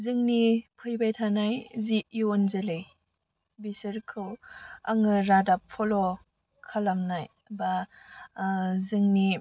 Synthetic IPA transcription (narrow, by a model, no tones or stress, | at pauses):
zɯŋnipʰɯjbajtʰanajziionzɯlej | bisɯɾkʰɯwaŋɯɾadapʰːɔlɔ | kʰalamnaj | ba | zɯŋni